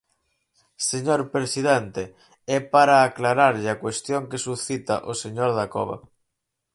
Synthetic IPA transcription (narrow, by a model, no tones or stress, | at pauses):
seɲoɾpɾesiðɛnt̪e | ɛpaɾaːklaɾaɾʎakwest̪joŋkesuθit̪a̰ʔoseɲoɾðakɔ̰βa̰